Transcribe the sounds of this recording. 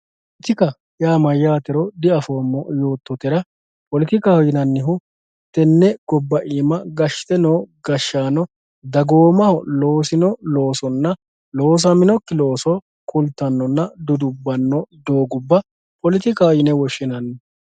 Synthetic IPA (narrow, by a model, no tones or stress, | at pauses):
ʔɪt̪ɪkɐ | jaːmɐjaːt̪ɛɾɔd̪ɪɐfoːmːɔjo̞ːt̪ːɔt̪ɛɾɐ | pɔlɪt̪ɪkahɔjɪnɐnːɪɦʊ | t̪ɛnːɛɡ̥ɔbːɐʔiːmɐɡɐʃt̪ɛnoːɡɐʃːaːnɔ | d̪ɐɡoːmɐhɔloːsɪnɔlo̞ːsɔnːɐ | lo̞ːs̬ɐmɪnɔkːɪlo̞ːsɔ | kʰʊlt̪ːɐnːɔnːɐd̪ʊd̪ʊbːɐnːɔd̪oːɡʊbːɐ | pɔlɪt̪ɪkahɔjɪnɛwɔʃːɪnɐnːɪ